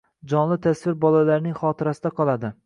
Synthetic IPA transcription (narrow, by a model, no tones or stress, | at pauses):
d͡ʒɒnlɪt̪ʰasvɪɾbɒlalaɾnɪŋχɒt̪ʰɪɾasɪd̪aqʰɒlˠad̪ɪ